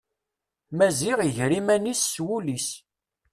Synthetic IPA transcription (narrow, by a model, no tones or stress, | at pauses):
mæziʁiʝɾimænisːwulis